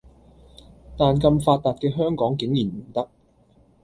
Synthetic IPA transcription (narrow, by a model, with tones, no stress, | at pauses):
t̪aː˨nkɐ˧mfaː˧t̚t̪aː˨t̚kɛː˧ɦœː˥ŋkɔː˨˥ŋkɪ˨˥ŋjiː˨˩nm̩˨˩t̪ɐ˥k̚